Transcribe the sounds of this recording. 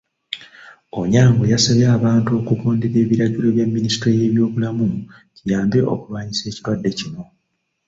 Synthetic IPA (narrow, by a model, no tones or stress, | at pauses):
oɲaːŋɡojasaβjaːβaːntuo̞kukoːndeɾe̞ːβiɾaɟilo̞βjamːinisi̥tɾeje̞ːβjo̞ːβulamu | cijaːmbe̞ʔo̞̰kuβaɲise̞ːciɾwadːe̞cino̞